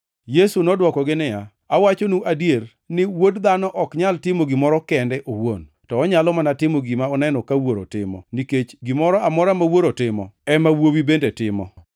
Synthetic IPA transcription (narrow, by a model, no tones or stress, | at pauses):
jesunɔdwɔkɔɡɪnɪja | awat͡ʃonuʔadjer | nɪwodd̪anɔʔɔkɲaltɪmoɡɪmɔɾɔkɛndɛʔowo̰n | tɔːɲalɔmanatɪmoɡimaɔnɛnɔkawoɾo̰tɪ̰mɔ̰niket͡ʃɡimɔɾɔamɔɾamawoɾotɪmɔ̰ɛmawowibendetɪmɔ̰